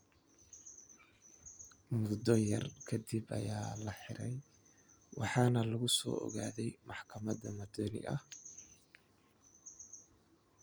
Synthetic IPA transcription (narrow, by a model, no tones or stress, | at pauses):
mʊd̪ɔjɐ̰rkʰɐd̪ibɐ̰jaːlɐħɪɾɛj | wɑħɑːnɐlɐɣʊsɔ̰ːɔ̰ɣaːðɛjmɑħkʰɐmɐðɐmɐd̪ɔnɪ̰ʔɐh